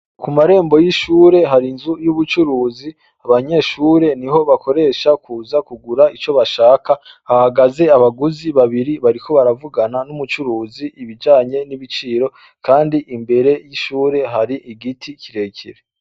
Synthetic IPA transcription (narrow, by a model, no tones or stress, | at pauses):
kumaɾe̞ːmbo̞jiʃuːɾe̞ɦaɾinzujuβut͡ʃuɾuːzi | aβaɲe̞ːʃuːɾe̞niɦo̞βakʰo̞ɾe̞ːʃakuːzakuɡuɾait͡ʃo̞βaʃaːka | hahaɡaze̞aβaɡuziβaβiɾiβaɾikʰo̞βaɾavuɡananumut͡ʃuɾuːziʔiβid͡ʒaːɲe̞niβit͡ʃiːɾo̞ | kʰaːndiʔimbe̞ɾe̞jiʃuːɾe̞ɦaɾiʔiɡitʰicʰiɾe̞ːcʰiɾe